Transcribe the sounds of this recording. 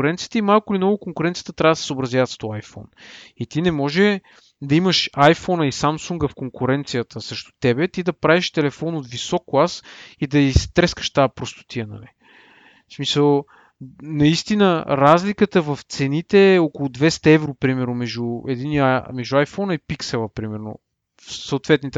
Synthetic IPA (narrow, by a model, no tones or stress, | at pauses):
ɾɛnt̪siət̪əimalˠkʊlimnɔvʊkoŋkʊɾɛnt̪sjət̪ət̪ɾʲavd̪sɛ̥səobɾɐzʲjavət̪st̪ɔajfɔ̰nit̪inɛmɔʒɛ | d̪ɐiməʃajfɔnəisamsuŋɡəfkoŋkʊɾɛnt̪sijət̪ʰəsɾɛʃt̪ʊ̥t̪ɛbɛt̪id̪ɐpɾaviʃt̪ɛlɛfɔnot̪visɔkːlˠasid̪ɐist̪ɾɛskə̥ʃt̪aɛpɾost̪ʊ̥t̪iɛnɐ̰li | smisəlˠ | nɐist̪inəɾazlikət̪əvɐft̪sɛnit̪ɛokolˠʊd̪vɛst̪ɐɛvɾopɾimɛɾnʊmɛʒuɛd̪iniamɛʒd̪uajfɔnəipiksɛlˠəpɾimɛɾno̰ | fsəʊt̪vɛt̪nit̪